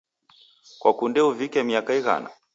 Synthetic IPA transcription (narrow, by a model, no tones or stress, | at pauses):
kwakundɛuvikɛmiakaiɣa̰na̰